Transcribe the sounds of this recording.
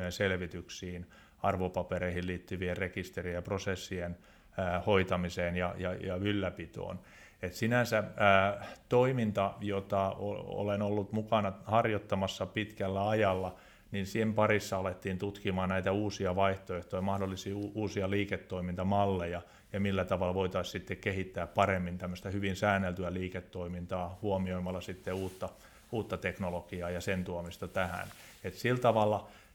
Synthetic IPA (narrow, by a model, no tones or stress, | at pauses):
enselʋit̪yksiːn | ɑrʋopɑpeɾeihilliːt̪ːyʋierrekist̪erijɑprosesːien | æːhoit̪ɑmiseːnjɑjɑjɑylːæpit̪o̰ːn | et̪sinænsææːt̪oimint̪ɑjot̪ɑo̰o̰lenolːut̪mukɑnɑhɑrjot̪ːɑmɑsːɑpit̪kælːæɑjɑlːɑ | ninsimpɑrisːɑɑlet̪ːiːnt̪ut̪kimɑːnnæit̪æuːsiɑʋɑiht̪oeht̪ojɑmɑhdolːisiːuːsiɑliːket̪ːoimint̪ɑmɑlːejɑ | jɑmilːæt̪ɑʋɑlʋoit̪ɑissit̪ːekkehit̪ːæːppɑremːint̪æmːøst̪æhyʋinsæːnːelt̪yæliːket̪ːoimint̪ɑːhuomioimɑlːˑɑsit̪ːeuːt̪ːɑ | uːt̪ːɑt̪eknolokiɑːjɑsent̪uomist̪ɑt̪æhæ̰n | et̪silt̪ɑʋɑlːɑ